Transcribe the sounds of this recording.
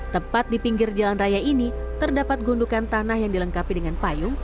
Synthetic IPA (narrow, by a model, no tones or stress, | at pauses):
t̪əmpat̪̚dipiŋɡɪrd͡ʒalanrajaini | t̪ərdapat̪̚ɡundukant̪anahjaŋdiləŋkapidəŋanpajʊŋ